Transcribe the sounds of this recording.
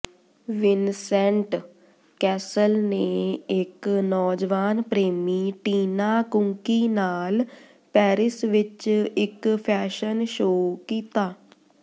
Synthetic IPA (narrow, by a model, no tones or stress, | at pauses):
ʋɪnsɛ̃ɳʈ | kɛːsəlneːɪknɔːd͡ʒʋaːnpɾeːmiːʈiːnaːkʊ̃ŋkiːnaːl | pɛːɾɪsʋɪt͡ʃɪkpʰɛːʃənʃoːkiːt̪aː